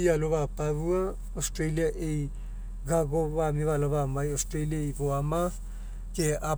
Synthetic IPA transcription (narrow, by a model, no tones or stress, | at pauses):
ialoβapaβua | ostɾeliaʔej | ɡaɡoβamiβaloβamajostɾeliaejβoama | kea